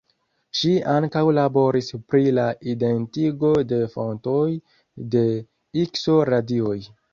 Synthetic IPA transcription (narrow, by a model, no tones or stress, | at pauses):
ʃiaŋkawlabo̞ɾispɾilaide̞ntiɡo̞de̞fo̞ntoj | de̞ | ikso̞ɾadio̞j